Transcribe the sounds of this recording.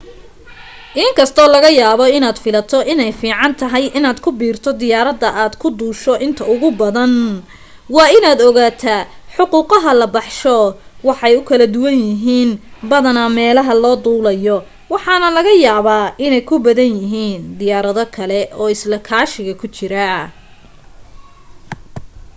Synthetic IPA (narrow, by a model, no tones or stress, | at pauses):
ʔɪŋkʰɐst̪ʰɔːlɐɣɐjaːβɔɪnaːd̪fɪlɐt̪ʰɔʔɪnɛjfiːʕɑnt̪ʰɐɦɐjʔɪnaːd̪kʰʊbiːrt̪ʰɔd̪ɪjaːɾɐd̪ɐʔaːd̪kʰʊd̪uːʃɔʔɪnt̪ʰɐʊɣʊbɐðɐn | wɑːɪnaːd̪ɔɣaːt̪ʰaː | ħʊquːqɑɦɐlɐbɑħʃɔwɑħɑjʊkʰɐlɐd̪ʊwɐnjɪɦiːnbɐðɐnɐmɛːlɐɦɐlɔːd̪uːlɐjɔ | wɑħɑnɐlɐɣɐjaːβaːʔɪnɛjkʰʊbɐðɐnjɪɦiːnd̪ɪjaːɾɐðɔkʰɐlɛʔɔːɪslɐkʰaːʃɪɣɐkʰʊt͡ʃɪɾɐ